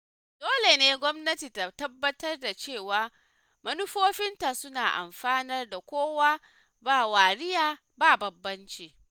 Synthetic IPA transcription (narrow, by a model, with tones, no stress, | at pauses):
doː˦le˨neː˦ɡʷɔ˦mnɐ˦tiː˨ta˨tɐ˦bːɐ˦tɐ˦rda˨t͡ʃeː˦˨waː˨ | mɐ˦nʊ˦ɸoː˦ɸɪ˦nta˨sʊ˦naː˨ʔa̰˨mɸaː˦nɐ˦rda˨kʷoː˦waː˦ | baː˦˨waː˨ɾɪ˦jaː˨ | baː˦˨bɐ˨bːɐ˦nt͡ʃiː˨